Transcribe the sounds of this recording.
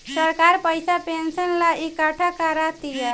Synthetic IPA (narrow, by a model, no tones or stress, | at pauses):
səɾkaɾpəjsapensənlaikaʈʰakəɾat̪ijə